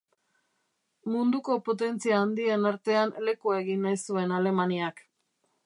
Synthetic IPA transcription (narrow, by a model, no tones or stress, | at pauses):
mund̪uko̞po̞t̪̬e̞nt͡siaːnd̪ie̞naɾt̪e̞anle̞kue̞ɣinːajsue̞nale̞maniak